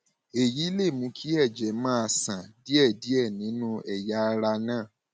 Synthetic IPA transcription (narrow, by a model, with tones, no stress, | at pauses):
e˨ji˨˦le˦˨mũ˨˧˦kʰi˦ɛ˦˨d͡ʒɛ˨˦mãː˦a˧sã˨di˦ɛ˦˨di˦ɛ˦˨nĩ˨˦nũ˦ɛ˨ja˦˧ɾa˧nãː˦˨